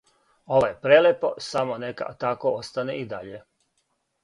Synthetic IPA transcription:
o̞ʋojepɾelepo̞̰samoneka̰t̪akoost̪aneʔid̪aʎe

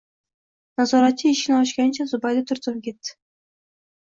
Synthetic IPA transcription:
nazɒɾat̪̚t͡ʃːɪɪʃɪnɪɒʃkʲanɪt͡ʃʰazʊbajd̪at̪ʰʊɾt̪ʰʊmkʲe̞t̪ːɪ̥

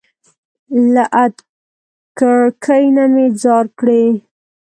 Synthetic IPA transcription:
laʔat̪ | kəɽkʰəjnamed͡zɑɾkɽe

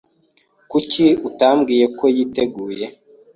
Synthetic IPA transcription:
kuciutambɡiːje̞ko̞jiːte̞ɡuːje̞

